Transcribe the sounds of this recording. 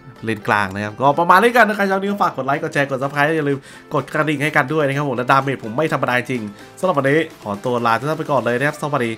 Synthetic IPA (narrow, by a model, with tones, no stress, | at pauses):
li˧nkla̰ː˧ŋna˦˥kʰa˦˥p̚kɔː˥˩pɾa˧maː˧ni˦˥ka˧nːa˥kʰa˦˥t͡ɕʰaː˧˥wni˦˥kɔ˧˩faː˨˩kːo˨˩t̪̚la˦˥kɔ˨˩t͡ɕʰɛː˧ko˨˩t̪̚sa˨˦˥pʰaː˦˥j̪ɛː˥a˧lɯː˧m | ko˨˩t̪̚kɾa˧di˨˩ŋha˥˩jka˧ndu˥˩jna˦˥kʰpʰːo˩˦mlɛː˦˥daː˧meː˧˩pʰo˩˦mːa˥˩jt̪ʰmːa˧daː˧t͡ɕi˧ŋt͡ɕi˧ŋ | sa˨˦ɾa˨˩p̚ʔa˧niː˦˥kʰɔː˩˦t̪u˧əlaː˧a˧˩a˥˩pjkɔː˨˩nlɤː˧jna˥kʰa˥psa˧˥˩wa˧diː˧